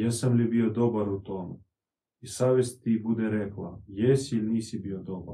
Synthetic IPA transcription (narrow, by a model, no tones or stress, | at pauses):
jesamlibiod̪obaɾut̪omu | isaːʋjest̪ibud̪eɾeklˠa̰jesiilʲniːsibiod̪oba̰ɾ